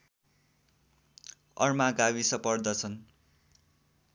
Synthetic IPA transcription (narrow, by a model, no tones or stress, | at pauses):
ʌ̰rmaɡawisʌpʌrd̪ʌt͡sʰʌn